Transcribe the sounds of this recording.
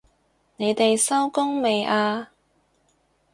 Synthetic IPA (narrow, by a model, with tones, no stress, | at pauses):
ne˨˧jt̪e˨jsɐ˥wkʊ˥ŋme˨jʔaː˧